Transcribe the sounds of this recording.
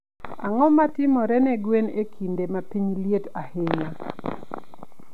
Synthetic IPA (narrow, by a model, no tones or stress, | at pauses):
a̰ŋɔmatɪmɔɾɛnɛɡwenekʰindemapiɲljetaheɲa